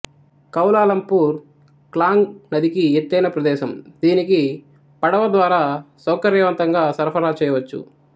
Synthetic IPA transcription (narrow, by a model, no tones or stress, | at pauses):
kɐwlaːlɐmpuːɾ | klaːŋɡnɐd̪ʱikiet̪ːɐjnɐpɾɐd̪ɛːʃɐmd̪̥iːniki | pɐɽɐʋɐd̪ʋaːɾaːsɐwkɐɾjɐʋɐnt̪ɐŋɡaːsɐɾpʰɐɾaːt͡ʃɛːjɐʋɐt͡ʃːṵ